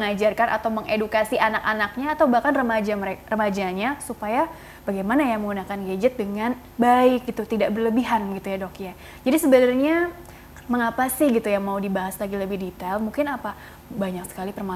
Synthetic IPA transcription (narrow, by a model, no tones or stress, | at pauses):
əŋad͡ʒarkanʔa̰t̪awməŋedukasiʔanakanak̚ɲaːt̪awbahkanrəmad͡ʒaməɾerəmad͡ʒaɲasupaja | b̥aɡajmanajaməŋɡunakanɡed͡ʒət̪̚dəŋan | baɪk̚ɡit̪ut̪idaʔbərləbiɦanɡit̪ujadɔkja | d͡ʒadisəbənərɲa | məŋapasɪhɡit̪ujaŋmaudibaɦaslaɡiləbɪhdit̪almuŋkɪnapa | baɲak̚sə̥kalipərma